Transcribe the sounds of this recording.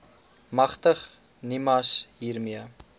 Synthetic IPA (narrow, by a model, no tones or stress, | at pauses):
mɐχtəχ | nimɐsɦiːrmiə